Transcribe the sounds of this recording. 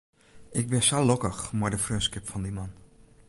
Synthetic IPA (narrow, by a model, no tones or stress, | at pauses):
ʔɪk̚bɪsalɔkəxmadəfrøskɪpfɔndiman